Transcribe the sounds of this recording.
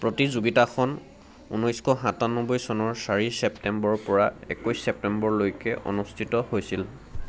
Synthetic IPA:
pɹotizuɡitakʰɔn | ṵnɔjskɔɦãtanɔbɔjsɔnɔɹsaɹisɛptɛmbɔɹpɔɹaɛ̰kujsːɛp̚tɛmbɔɹlojkɛʔɔ̰nustʰitɔhojsil

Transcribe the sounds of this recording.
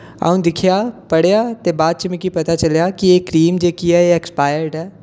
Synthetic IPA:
a̰ũnd̪ɪkʰjapɐɽjat̪ebaːd̪̚t͡ʃəmɪ̃kipɐt̪at͡ʃɐljakieːkɾiːmd͡ʒeːkiɛeekspaːjəɾɖɦɛː

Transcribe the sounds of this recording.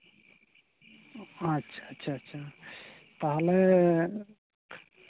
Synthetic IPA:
ətːʃʰaətːʃʰaətːʃʰa | t̪əɦle

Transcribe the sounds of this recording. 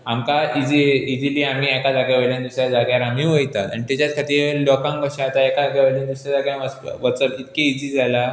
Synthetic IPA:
amkaid͡ziid͡ziliːam̤iːɛkad͡zaɡjaʋeljand̪usɾjad͡zaɡjaɾamĩʋəjt̪at̪a̰nit̪at͡ɕat͡skʰat̪ilɔkãŋkəɕat̪aɛkad͡zaɡjaʋeland̪usjad͡zaɡjãʋəsʋət͡səlit̪keid͡zid͡zʱala

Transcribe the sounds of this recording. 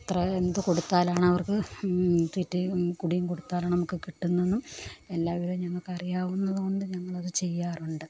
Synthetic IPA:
ɐt̪rɐend̪uko̞ɽut̪ːaːlaːɳɨɐʋɐrkɨ | t̪witːɨkuɽijumko̞ɽut̪ːaːlaːɳnɐmukːɨkiʈːunːinːume̞lːaːʋɐɾumɲɐŋːɐɭkɐrijaːʋunːɐðɨko̞ɳɖɨɲɐŋːɐɭɐðɨt͡ɕe̞jːaːruɳɖɨ

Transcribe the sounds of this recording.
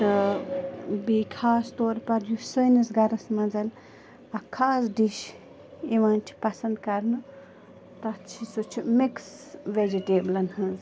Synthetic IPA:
t̪ɨ | bikʰaːst̪oːɾpɐɾjusəjnisɡɐɾɐsmɐ̃d͡zɐl | ɐkʰaːzɖiʃ | iʋãːnt͡ʃʰi̥pɐsɐnd̪kɐɾnɨ | t̪ɐt͡ʃʰisut͡ʃʰumiks | ʋed͡ʒiʈeːblɐnhɐ̃z

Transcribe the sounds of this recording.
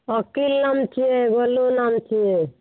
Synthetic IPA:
ɔkilːamt͡ʃʰieɡolunamt͡ʃʰie

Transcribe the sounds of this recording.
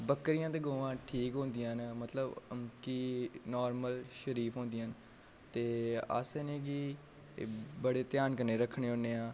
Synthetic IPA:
bəkːɾijãːt̪eːɡoːʋãːʈʰiːkɦõːnd̪ijãːnmət̪ləbkinɔːɾməlʃəɾiːpʰɦõːnd̪ijãːn | t̪eːə̰senẽːkiː | bəɽeːt̪jaːnkəɾneːɾəkʰːɽ̃eːɦõːneːãː

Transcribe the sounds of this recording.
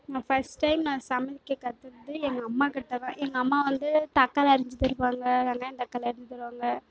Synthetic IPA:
nãːfɐsʈːɐɪmnãːsɐmɐɪkːɛkɐt̪ːɯɾɯt̪ːɯɛŋɡɐːmːaːkɪɽɯt̪ːɐkãːʔɛŋɡɐɐmːaːʋɐnd̪ɯt̪ɐkːaːlɪɾɪɲd͡ʒɯt̪ːɪɾɯpːaːŋɡɐt̪ɐŋɡɐɐnt̪ɐkːalɪɾɪɲd͡ʒɪt̪ɪɾɯʋaːŋɡɐ

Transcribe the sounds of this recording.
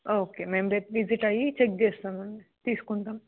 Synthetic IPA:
oːkeːmeːmɾeʈʋiziʈɐjit͡ʃek̚d͡ʒeːst̪aːmɐɳɖit̪iːsu̥kuɳʈ̪aːm

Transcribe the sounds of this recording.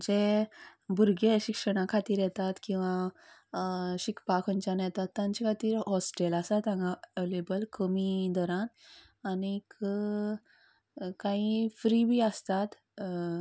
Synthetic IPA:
d͡ʑe | bʱuɾɡeɕikʂəɽ̃akʰat̪iːɾjɛt̪at̪kĩw̃ʋã | ɕikʰpakʰənt͡ɕanjɛt̪at̪ːãɲt͡ɕakʰat̪iːɾɦɔsʈelasat̪ãŋɡaelebəlkəmid̪ɔɾãn | anik | kãifɾibʱiəst̪at̪

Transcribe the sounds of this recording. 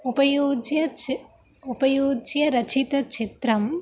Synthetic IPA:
upɐjoːd͡ʒjɐ | upɐjoːd͡ʒjɐɾɐt͡ʃʰit̪ɐt͡ʃɪt̪ɾɐm

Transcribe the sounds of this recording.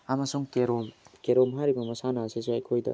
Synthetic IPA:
amɐsuŋkeɾomkeɾomɦaɾibɐmɐsanɐːseseɐjkʰojdɐ̰

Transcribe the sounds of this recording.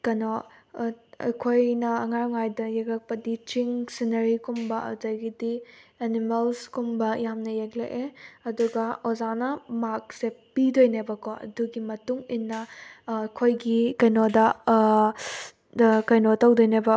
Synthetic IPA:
kɐno | ɐ̰jkʰojnɐɐŋaɾŋajdɐjeklɐk̚pɐdit͡ʃiŋsinɐɾikumbɐɐ̰zɐjɡidienimelskumbɐjamnɐjeklḛʔeɐduɡɐozanɐmak̚sepidojnebɐkoɐ̰duɡimɐtuŋinːɐːjkʰojɡikɐjnodɐ | kɐjnotɐwdojnebɐ

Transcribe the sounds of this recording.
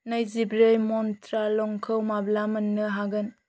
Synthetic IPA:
nɐjzibɾɯjmɔntɾalɔŋkʰɯwmablamɐnːɯɦaɡɯn

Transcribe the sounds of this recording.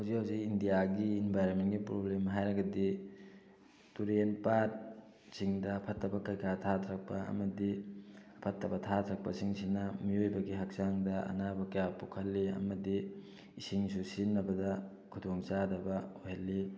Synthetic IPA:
hawzikhawzikindijaɡiinbʱajɾonmentɡipɾoblemɦajɾɐɡɐdi | tuɾenpat | siŋdɐːpʰɐtːɐbɐkɐjkʰatʰatʰɾɐk̚pɐɐ̰mɐdiɐpʰɐtːɐbɐtʰat̪ʰɾɐk̚pɐsiŋsinɐmiojbɐɡiɦak̚saŋdɐɐ̰nabɐkɐjapukʰɐlːiɐ̰mɐdi | isiŋsusinːɐbɐdɐ | kʰudoŋt͡ʃadɐbɐojɦɐlːi

